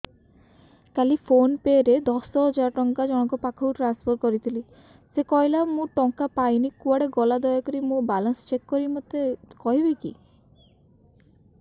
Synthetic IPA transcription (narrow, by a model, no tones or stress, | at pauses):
kalipʰonpeɾed̪ɔsɔɦɔd͡ʒaɾɔʈɔŋkad͡ʒɔɽ̃ɔkɔpakʰɔkuʈɾanspʰɔɾkɔɾit̪ʰili | sekɔjlamũʈɔŋkapajnikuaɽeɡɔlad̪ɔjɔkɔɾimũbalɔnsɔ̥t͡ʃekːɔɾimɔt̪ekɔɦibejkḭ